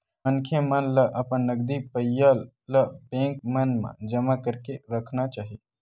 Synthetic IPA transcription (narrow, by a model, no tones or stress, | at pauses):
mənkʰjemənləʔɐpənːəɡd̪ipəjalː | əbẽːŋkmənmã̰d͡ʒəmakəɾkeɾəkʰnat͡ʃaːɦi